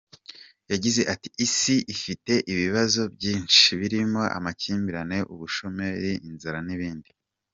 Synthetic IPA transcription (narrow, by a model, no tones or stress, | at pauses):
jaɟize̞ʔati̥isiʔifite̞ʔiβiβazo̞bɟiːnʃiβiɾimo̞ʔa̰maciːmbiɾane̞ʔuβuʃo̞me̞ɾiʔinzaɾaniβiːndi